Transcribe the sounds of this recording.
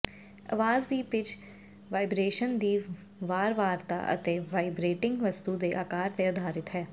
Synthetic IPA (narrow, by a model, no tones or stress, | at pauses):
ə̰ʋaːzd̪iːpɪt͡ʃ | ʋaːɪbɾeːʃənd̪iː | ʋaːɾʋaːɾt̪a̰ːʔə̰t̪eːʋaːɪbɾeːʈɪ̃ŋɡʋəst̪uːd̪eːʔaːkaːɾt̪eːəd̪ʱaːɾɪt̪ɦɛː